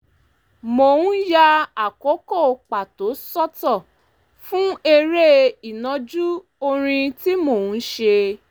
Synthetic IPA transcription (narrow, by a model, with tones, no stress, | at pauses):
mo˨ũ˦ja˧a˨ko˨˦ko˦˨k͡pa˨to˨˦sɔ˦tɔ˦˨ | fũ˦e˧ɾe˦i˨nã˨˦d͡ʒu˦ | o˧ɾ̃ĩ˧ti˦mo˨ũ˨˦ʃe˧